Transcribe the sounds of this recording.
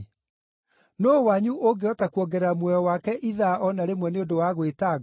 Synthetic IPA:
noːwaɲuʔoɡeɔtakuɔɡɛɾamwɔɔwakɛʔiðaʔɔnaɾemwɛneodowaɣweta

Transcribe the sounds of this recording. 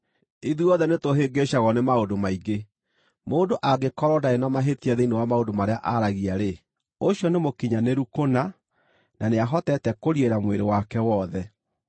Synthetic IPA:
iðuɔðɛnetoɦeɡeɕaɣɔnemaodomaiɡe | moːndoʔaɡekɔɾɔdaenamaɦetiaðeinewamaondomaɾeaʔaɾaɣiaɾe | oɕjɔnemokiɲaneɾukona | naneaɦɔtɛtɛkoɾieɾamweɾewakɛwɔðɛ

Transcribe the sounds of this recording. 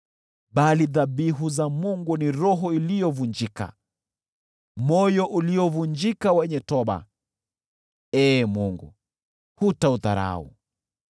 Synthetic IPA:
ɓaliðaɓiɦuzamuŋɡuniɾɔɦɔilijɔvund͡ʒika̰ | mɔjɔʔuliɔvuɲd͡ʒikawɛɲɛtɔɓa̰ | ɛːmuŋɡṵ | hutauða̰ɾa̰ṵ

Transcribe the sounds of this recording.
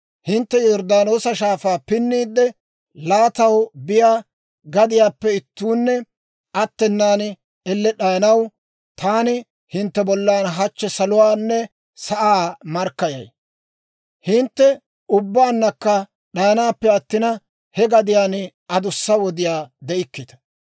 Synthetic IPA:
hɪnt̪ːɛjɔɾd̪aːno̞ːsɐʃaːfaːpɪnːiːd̪ːɛ | laːt̪ɐwbɪjaː | ɡɐd̪ɪjaːpːɛɪt̪ːuːnːɛ | ʔɐt̪ːɛnːaːn | ɛlːɛɗɐjɐnɐw | t̪aːnɪ | hɪnt̪ːɛbɔlːaːnɦɐt͡ʃːɛsɐlʊwaːnːɛ | sɐʔaːmɐɾkːɐjɐ̰j | hɪnt̪ːɛ | ʊbːaːnːɐkːɐ | ɗɐjɐnaːpːɛɐt̪ːɪnɐ | hɛɡɐd̪ɪjaːn | ʔɐd̪ʊsːɐwɔd̪ɪjaːd̪ɛʔɪkːɪt̪ɐ̥

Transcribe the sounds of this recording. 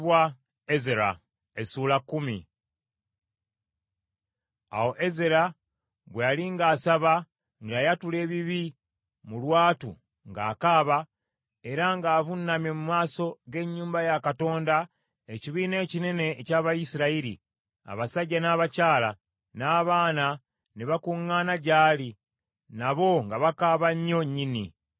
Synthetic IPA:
wa | ezeɾa̰ | esuːlakːumi | a̰wo̞ʔezeɾa | βwealiŋɡaːsaβa | ŋɡajatule̞ːβiβi | mulwaːtṵ | ŋɡa̰ːkaːβa | e̞ɾaŋɡaːvunːamje̞mumaːso̞ɡe̞ɲːuːmbajakato̞ːnda | eciβiːne̞ːcine̞ne̞ːcaːβajisiɾaiɾḭ | a̰βasaɟːanaːβacaːla | naːβaːna | niβakuŋːaːnaɟaːli | naβo̞ŋɡaβakaːβaɲːo̞ɲːini

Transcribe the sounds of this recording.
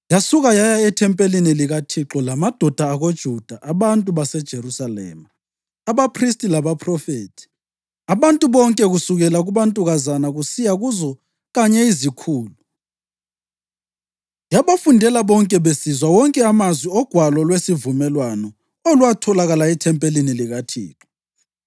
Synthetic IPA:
jasuɣajajaɛtʰɛmpʼeliniliɣatʰiǁɔlamad̥ʱɔd̥ʱaːɣod̥ʒ̥ʱud̥ʱaʔaβantʼuβasɛd̥ʒ̥ʱeɾusalɛ̰ːmaː | βapʰristʼilaβapʰrɔfeːtʰi̥ | aβantʼuβɔŋkʼɛɣusuɣɛlaɣuβantʼuɣazanaɣusijaɣuzɔ | ɣaɲɛizikʰuːlu | jaβafundʱɛlaβɔŋkʼɛβesizwawɔŋkʼɛamazwiɔɡ̥ʱwalɔlwesivumɛlwanɔ | oluwatʰɔlaɣalaitʰɛmpʼeliniliɣatʰḭːǁɔ

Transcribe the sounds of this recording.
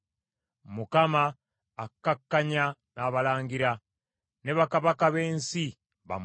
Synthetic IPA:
mukamaː | kːakːaɲa | naːβalaːŋɡiɾa | ne̞βakaβakaβe̞ːnsi | βa̰m

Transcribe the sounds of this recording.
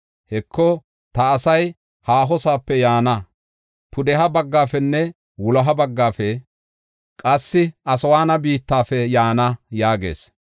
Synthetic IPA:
hɛkːɔ | t̪ɐːsɐj | haːɦɔsaːpːɛjaːnɐ | pʰʊd̪ɛɦɐbɐɡːaːfɛnːɛ | wʊlɐɦɐbɐɡːaːfɛ | kʼɐsːɪʔɐsɐwaːnɐbiːt̪ːaːfɛjaːnɐjaːɡḛːs

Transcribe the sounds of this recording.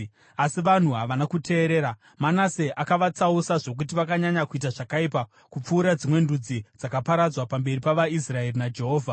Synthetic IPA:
asiʋan̤uɦaʋanakutʰe̞ːɾe̞ːɾa | manase̞ʔakaʋat͡sausaʐo̞k̬ut̬iʋakaɲaɲakuit̬aʐakaipa | kup͡fuːɾad͡zimwe̞ndud͡zid͡zakapaɾad͡zwapambe̞ripaʋais̬rae̞rinad͡ʒe̞ɦo̞ːvʱa

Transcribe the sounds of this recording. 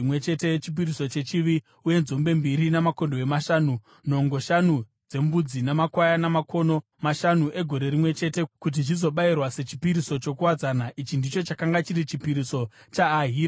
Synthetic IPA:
mwe̞t͡ʃe̞tet͡ʃip̬iɾiso̞t͡ʃe̞t͡ʃiʋi | uje̞nzo̞mbe̞mbiɾinamako̞ndo̞emaʃaːnu | no̞ŋɡo̞ʃanu | d͡ze̞mbud͡zinamakwajanamakʰo̞no̞ | maʃanuʔe̞ɡʱo̞ɾe̞ɾimwe̞t͡ʃe̞te̞kut̬iʐizo̞ɓairwase̞t͡ʃi̥piɾiso̞t͡ʃo̞kuwad͡zanaʔit͡ʃindit͡ʃo̞t͡ʃakaŋɡat͡ʃiɾit͡ʃipiɾiso̞t͡ʃaːɦiːɾa

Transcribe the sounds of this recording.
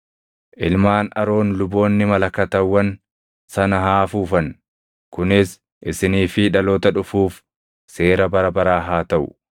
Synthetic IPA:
ʔɪlmaːnɐɾo̞ːnlʊbo̞ːnːɪmɐlɐkɐt̪ɐwːɐn | sɐnɐɦaːfuːfɐn | kʊnɪs | ʔɪsɪniːfɪᶑɐloːt̪ɐᶑʊfuːf | se̞ːɾɐbɐɾɐbɐɾaːɦaːt̪ɐʔʊ̰

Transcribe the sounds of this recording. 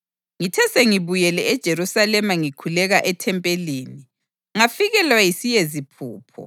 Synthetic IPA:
ŋitʰɛseŋiβujɛlɛɛd̥ʒ̥ʱeɾusalɛmaŋikʰulɛɣaʔɛtʰɛmpʼeliːni | ŋafiɣɛlwajisijezipʰṵːpʰɔ̰

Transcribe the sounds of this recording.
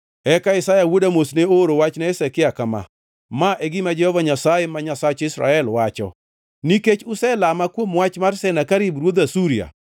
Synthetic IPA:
ɛkaɪsajawodamosneoɾowat͡ʃnaesɛkɪakama̰ | maʔeɡɪmad͡ʒɛhɔvaɲasajemaɲasat͡ʃɪsɾa̰ɛlwat͡ʃɔ̰ | niket͡ʃʊsɛlamakwomwat͡ʃmarsɛnakaɾibɾwod̪asuɾia̰

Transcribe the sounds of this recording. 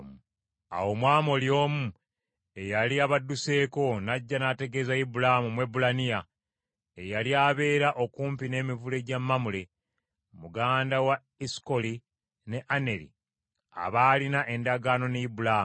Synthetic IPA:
a̰wo̞mwaːmo̞ljo̞ːmu | e̞jaliaβadːuse̞ːko̞naɟːanate̞ɡe̞zaibulamumwe̞bulanija | ejaliaβe̞ːɾaʔo̞kuːmpine̞ːmivule̞ɟamːamule̞ | muɡaːndawa | iskoli | ne̞ʔane̞ɾḭ | a̰βaːlinaʔe̞ndaɡaːno̞neibulam

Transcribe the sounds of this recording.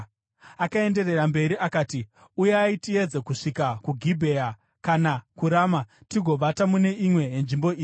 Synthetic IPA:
akae̞nde̞re̞rambe̞ɾiʔakaːti | ujeaitie̞d͡ze̞kuʂikakuɡʱibʱe̞a | kanakuɾaːmatiɡʱo̞ʋatamune̞ʔimwe̞jenʐimbo̞iːi

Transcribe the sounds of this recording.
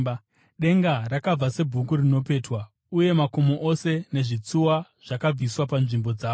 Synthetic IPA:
ɗe̞ŋɡarakab͡vase̞bʱukurino̞p̬e̞ːtwa | uje̞mako̞moʔose̞ne̞ʐit͡suwa | ʐ̥akab͡viswapanʐimbo̞d͡zaːo

